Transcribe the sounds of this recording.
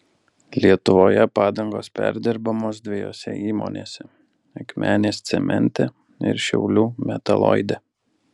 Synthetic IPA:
lʲiɛt̪ʊʋoːjɛpɑːd̪ɐŋɡoːspʲæ̰ɾʲd̪ʲɪɾbɐmoːsd̪ʲʋʲɪjo̰ːsʲɛ̰iːmo̰ːnʲḛːsʲɛ | ɐkʲmʲʔæːnʲeːst̪sʲɛmʲɛ̰nʲt̪ʲɛ | ɪ̰ɾʃʲɛ̰ʊlʲuːmʲɛt̪ɐlˠɔ̰ɪd̪ʲɛ

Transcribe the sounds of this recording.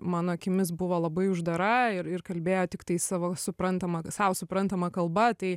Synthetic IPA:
mɑːnoːɐkʲɪmʲɪsbʊʋoːlˠɐbɐɪʊʒd̪ɐɾɐɪɾɪrkɐlʲbʲeːjoːt̪ʲɪkt̪ɐɪsɑːʋoːsʊpɾɐnt̪ɐmɐsɑːʋsʊpɾɐnt̪ɐmɐkɐlˠbɐt̪ɐɪ

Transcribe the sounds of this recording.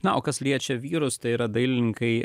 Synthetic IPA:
nɐoːkɐslʲiɛt͡ʃʲɛʋʲiːɾʊst̪ɐɪiːɾɐd̪ɐɪlʲɪŋkɐɪ

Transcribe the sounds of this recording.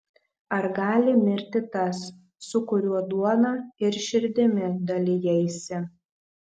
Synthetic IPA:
ɐɾɡɑːlʲɪmʲɪɾʲt̪ʲɪt̪ɐsː | ʊkʊɾʲuɔd̪uɔnɑːɪɾʃʲɪɾʲd̪ʲɪmʲɪd̪ɐlʲɪjɛɪsʲɪ

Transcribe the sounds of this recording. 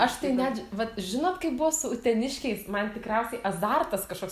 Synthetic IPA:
ɐʃt̪ɐɪnʲæːd͡ʒʋɐt̪ʒʲɪnoːt̪kɐɪpbʊʋosʊʊt̪ʲɛnʲɪʃʲkʲɛɪsmɐnt̪ʲɪkɾʲɛʊsʲɛɪʔɐzɐrt̪ɐskɐʃkoːks

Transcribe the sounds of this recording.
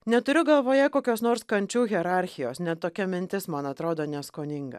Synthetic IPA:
nʲɛt̪ʊɾʲʊɡɐlˠʋoːjɛkoːkʲoːsnoːɾskɐnʲt͡ʃʲuːɣʲɛɾɑɾʲxʲɪjoːsnʲɛt̪t̪ːoːkʲɛmʲɪnʲt̪ʲɪsmɐnɐt̪ɾoːd̪oːnʲɛskoːnʲɪŋɡɐ̰

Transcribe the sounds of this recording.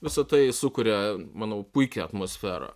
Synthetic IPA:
ʋʲɪsɐt̪ɐɪsʊkʊɾʲɛmɑːnɐʊpʊɪkʲɛɐt̪moːsʲfʲæːɾɐ̰ː

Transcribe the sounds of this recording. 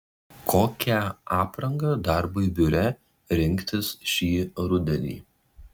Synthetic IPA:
kʰoːkʲæɑːpɾɐŋɡɐd̪ɐɾbɐɪbʲʊɾʲɛ | ɾʲɪŋʲkt̪ʲɪsʃʲiːɾʊd̪ʲɛnʲḭː

